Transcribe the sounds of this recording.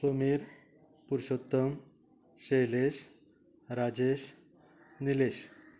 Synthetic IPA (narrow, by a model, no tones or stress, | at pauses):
somiɾ | puɾɕot̪ːəm | ɕejleɕ | ɾad͡ʑeɕ | nileɕ